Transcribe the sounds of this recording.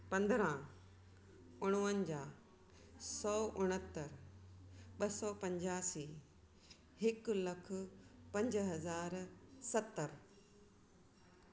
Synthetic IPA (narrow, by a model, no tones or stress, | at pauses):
pɐ̃nd̪ɾã | ʊɽ̃uənd͡ʑaː | sɔːʔʊɽ̃ət̪ːəɾ | ɓɐsɔːpɐ̃ɲd͡ʑaːsiː | hɪklɐkʰʊ̆pɐ̃ɲd͡ʑɦɐzaːɾsɐt̪ːəɾ